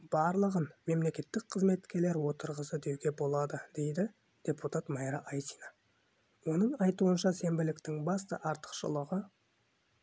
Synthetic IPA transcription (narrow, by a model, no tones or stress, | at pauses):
b̥ɑɾlˠəʁənme̞mle̞kʲe̞t̪ːɪk̚qʰəzme̞t̪kʲe̞ɾleɾwo̞t̪əɾʁəsəd̪e̞wɡʲe̞bo̞lˠɑd̪əd̪e̞jd̪ɪ | d̪̥ʲe̞put̪at̪mɑjɾaʔajsina | wo̞nəɴɑjt̪uənʃɑse̞mbɪlɪkt̪ɪŋbɑst̪ə̰ʔɑɾt̪ə̥qʃə̰lˠəʁə